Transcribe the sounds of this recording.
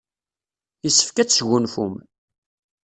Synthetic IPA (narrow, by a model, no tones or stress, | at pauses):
jəsːə̥fkæt͡sːʝunfum